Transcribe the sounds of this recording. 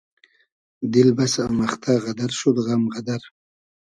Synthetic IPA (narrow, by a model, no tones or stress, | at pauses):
d̪ɪlbasamaχt̪ʰaɣad̪aɾʃod̪ɣamʁad̪aɾ